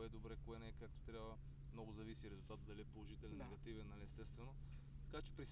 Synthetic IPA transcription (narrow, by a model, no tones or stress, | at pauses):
ɛd̪obɾɛkoɛnɛkakt̪o̥t̪ɾʲjabvə | mnɔɡʊzɐvisiɾɛzʊlˠt̪at̪d̪ɐliɛpolˠoʒit̪ɛlʲɛnːɛɡɐt̪ivɛnːɐliɛst̪ɛst̪vɛnot̪ɐ̥kat͡ʃɛ̥pɾis